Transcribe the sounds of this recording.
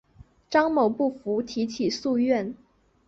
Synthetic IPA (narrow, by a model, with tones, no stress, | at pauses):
ʈ͡ʂɑ˥ŋmo˨˩ʊpu˥˩fu˧˥t̪ʰi˧˥t͡ɕʰi˨˩su˥˧ɥɛ˥˩n